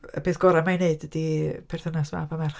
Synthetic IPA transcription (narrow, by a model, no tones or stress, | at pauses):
ə̰b̥eːθɡ̥ɔɾamajneɨdədipʰɛr̥θənasma̰pʰamɛrχ